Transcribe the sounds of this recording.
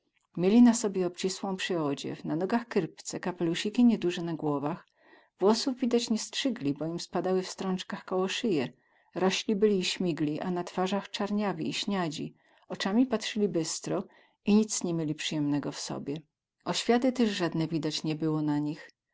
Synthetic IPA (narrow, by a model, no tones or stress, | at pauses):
mʲjelʲinasɔbʲjɛɔp̚t͡ɕiswɔ̃w̃pʂɘɔd͡ʑɛ̰vnanɔɡaxkɾpt̪sɛkapɛluɕikʲiɲɛd̪uʐɛnaɡwɔvax | vwɔsuvvʲid̪at͡ɕɲɛstʂɘɡlʲibɔimspad̪awɘfst̪ɾɔ̃nt͡ʂkaxkɔwɔʂɘjɛ | ɾɔɕlʲibɘlʲiːɕmʲiɡlʲiʔanat̪faʐaxt͡ʂaɾɲavʲḭːɕɲad͡ʑḭ | ɔt͡ʂamʲipatʂɘlʲibɘst̪ɾɔ | iɲit̪sɲɛmʲjelʲipʂɘjɛmnɛɡɔfsɔ̰bʲjɛ | ɔɕfʲjat̪ɘt̪ɛʐʐad̪nɛvʲid̪at͡ɕɲɛbɘwɔnaɲix